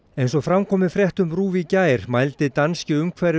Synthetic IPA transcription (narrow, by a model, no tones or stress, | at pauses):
ejnsɔɣfɾamkʰɔːmɪfɾjɛht̪ʏmɾuːvicaːjɾ̥majlt̪ɪt̪anscɪʏmkʰvɛɾɪ